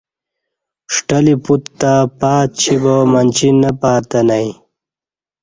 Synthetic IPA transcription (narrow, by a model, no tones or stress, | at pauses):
ʂʈɐliput̪t̪ːapaːt̪̚t͡ɕʰibomɐnt͡ɕinɐpaːt̪ɐnaj